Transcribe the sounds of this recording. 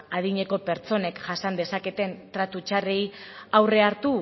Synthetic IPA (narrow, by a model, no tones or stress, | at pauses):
að̞iɲe̞ko̞pe̞ɾt͡so̞ne̞kʝasand̪e̞sake̞t̪e̞nt̪ɾat̪ut͡ʃare̞jawre̞aɾt̪u